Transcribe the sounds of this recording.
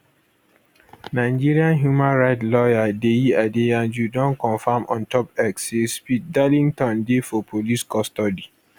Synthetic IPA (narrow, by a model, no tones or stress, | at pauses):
naɪ̃d͡ʒiɹiãnɦjumãnɹaɪtlɔjadeiadeãnd͡ʒudɔ̃nkɔ̃nfãmʔɔ̰̃ntɔpɛksespit̚dalĩŋtɔ̃ndefɔpʰoliskɔstɔdi